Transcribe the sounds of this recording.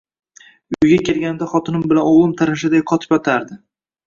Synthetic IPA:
ʊʊjɡʲakʲʰe̞lɡʲand̪aχɒt̪ʰɪnɪmbɪlanɒwlˠɪmt̪ʰaɾanʃ̬ad̪ajqʰɒt̪ʰɪ̥pjɒt̪ʰaɾd̪ɪ

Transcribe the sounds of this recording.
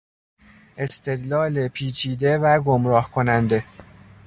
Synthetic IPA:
ʔe̞st̪ʰe̞d̪lɒːlepʰiːt͡ʃʰiːd̪e̞væɡomɾɒːhkʰo̞nænd̪e̞

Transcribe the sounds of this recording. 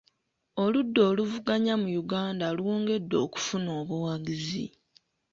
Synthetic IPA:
o̞ludːo̞ːluvuɡaɲamujuɡaːndaluwoːŋɡe̞dːo̞̰ːku̥funo̞ːβuwaɡizḭ

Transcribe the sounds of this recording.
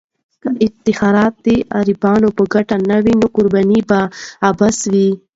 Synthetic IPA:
kaʔɪt̪ɪxɑɾɑt̪̚d̪eʔaɾibɑnopəɡaʈanawinoqʊɾbɑnibaːbaswi

